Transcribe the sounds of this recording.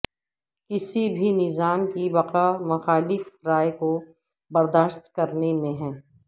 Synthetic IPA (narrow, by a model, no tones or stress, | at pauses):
kɪsibʱinɪzaːmkiʋɐqamɐxaːlɪfɾaːeko | bɐɾd̪aːʃt̪kɐɾnemẽɦɛ̃ː